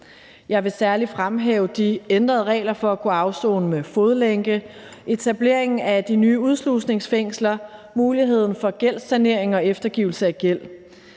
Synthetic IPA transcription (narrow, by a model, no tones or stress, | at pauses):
jɑ̈ɪʋe̝sæɐlifʁamɦɛːʊd̥iend̥ʁɐð̞ˠʁɛ̰ːlɐfɒ̽ækʰoɑ̈ʊso̰ːnmefoð̞ˠəleŋɡ̥əʔe̝t͡sʰæb̥le̝ɐ̰e̝ŋn̩æd̥inyːuð̞ˠslusne̝ŋsfeŋ̰slɐ | muːliɦe̝ð̰ˠn̩fɒ̽ɡ̥el̰sæne̝ɐe̝ŋɒ̽efd̥ɐɡ̥iːʊl̩səæɡ̥el̰